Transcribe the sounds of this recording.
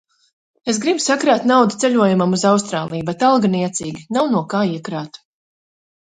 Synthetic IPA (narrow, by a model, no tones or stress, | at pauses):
es̬ɡɾibsakɾaːt̪nawd̪ut̪seʎuɔjumamuzawst̪ɾaːlˠijubet̪alˠɡaniɛt̪siːɡʲinawnuɔkaːiɛkɾaːt̪u̥